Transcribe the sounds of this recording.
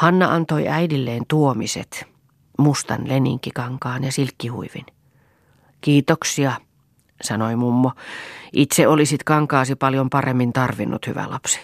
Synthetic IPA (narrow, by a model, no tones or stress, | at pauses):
hɑnːɑ̰ʔɑnt̪oiæidilːeːnt̪uomisḛt̪ | must̪ɑ̰nlenḭŋkːikɑŋkɑːnjɑsilkːihṵiʋḭn | kiːt̪oksiɑ | sɑnoimumːoʔit̪seolisit̪kɑŋkɑːsipɑljompɑremːint̪ɑrʋinːṵt̪hy̰ʋæ̰lɑpsi̥